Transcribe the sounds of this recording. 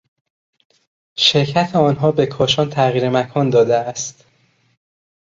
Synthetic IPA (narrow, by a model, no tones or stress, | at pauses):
ʃeɾcʰæt̪ʰeɒːnɦɒːbe̞kʰɒːʃɒːnt̪ʰæʁiːɾemækʰɒːnd̪ɒːd̪eæst̪